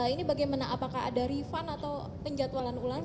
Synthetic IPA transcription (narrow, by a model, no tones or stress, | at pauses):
inibaɡajmanaʔapakaɦa̰daɾifanat̪aw | kəɲd͡ʒat̪walanular